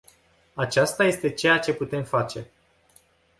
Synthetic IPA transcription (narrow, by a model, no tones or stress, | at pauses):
at͡ʃast̪aje̞st̪e̞t͡ʃe̞jat͡ʃe̞put̪e̞mfat͡ʃe̞